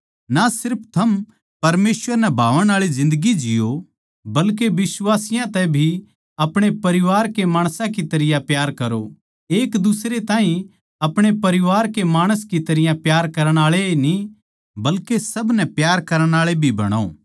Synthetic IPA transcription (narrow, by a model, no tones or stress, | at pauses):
nasɪɾpʰt̪ʰɐm | pɐɾmeːswəɾnɛbʱaːʋəɽ̃aːɭizɪ̃nd̪əɡid͡ʒɪjo | bɐlkeʋɪswaːsɪjãt̪ɛbʱi | ɐpɽ̃epɐɾɪʋaːɾkemaːɽ̃sãk̬it̪ɐɾɪjãpjaːɾkɐɾo | eːkd̪ʊsɾet̪ãːɦĩ | ɐpɽ̃epɐɾɪʋaːɾkemaːɽ̃əskit̪ɐɾɪjãpjaːɾkɐɾəɽ̃aːɭeni | bɐlkesɐbnɛpjaːɾkɐɾəɽ̃aːɭebʱibɐ̰ɽ̃o̰ː